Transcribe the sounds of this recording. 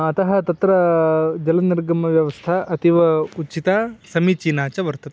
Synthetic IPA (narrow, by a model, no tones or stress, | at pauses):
ɐt̪ɐɦɐt̪ɐt̪ɾɐd͡ʒɐlɐniɾɡɐmɐʋjɐʋɐst̪ʰɐʔɐt̪iʋɐut͡ʃit̪aːsɐmit͡ʃiːnaːt͡ʃɐʋɐɾt̪ɐt̪